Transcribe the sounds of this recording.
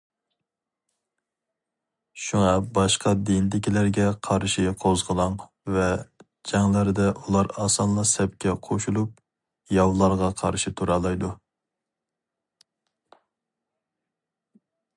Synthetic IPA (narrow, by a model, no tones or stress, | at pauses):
ʃuŋɑbɑʃqɑd̪ind̪ɪkʲilæɾɡʲɛqʰɑɾʃiqʰozʁəlˠɑŋ | vɛ | d͡ʒɛŋlæɾd̪ɛʔulˠɑɾɑːsɑnlˠɑsɛp̚kʲɛqʰoʃulˠup̚ | jɑwlˠɑɾʁɑqʰɑ̰ɾʃit̪ʰuɾɑːlˠɑjd̪u